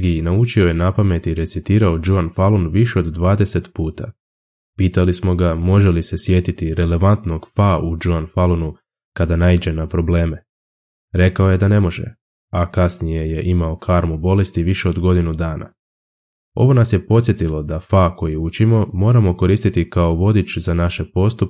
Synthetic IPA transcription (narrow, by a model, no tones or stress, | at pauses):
ɡiinaut͡ʃio̞je̞napame̞t̪iɾe̞t̪sit̪iːɾaod͡ʒuanfalunʋiʃe̞o̞d̪d̪ːʋaːd̪e̞se̞t̪puːt̪a | piːt̪alismo̞ɡamo̞ʒe̞lise̞sje̞t̪it̪iɾe̞le̞ʋant̪no̞ɡfaud͡ʒuanfalunu | kad̪anaid͡ʑe̞napɾo̞ble̞ːme̞ | ɾe̞kao̞je̞d̪ane̞mo̞ʒe̞̰ | akasnije̞je̞ʔimao̞kʰaɾmubo̞le̞st̪iʋiʃe̞o̞d̪ɡo̞d̪inud̪aːna̰ | o̞̰ʋo̞nasje̞po̞t̪sje̞t̪ilo̞d̪afako̞jiut͡ʃimo̞mo̞ːɾamo̞ko̞ɾiːst̪it̪ikaoʋo̞d̪it͡ʃzanaʃe̞po̞st̪up